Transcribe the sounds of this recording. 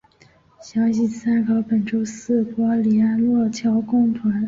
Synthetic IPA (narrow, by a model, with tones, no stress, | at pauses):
ɕjɑ˧˥ŋɕi˨˩sa˥nkɑ˧˥ʊpə˨˩nʈ͡ʂo˥ʊsɹ̩˥˩pwɔ˥li˧˩a˥nlwɔ˥˩t͡ɕʰjɑ˧˥ʊkʊ˥ŋp̪ʰwa˧˥n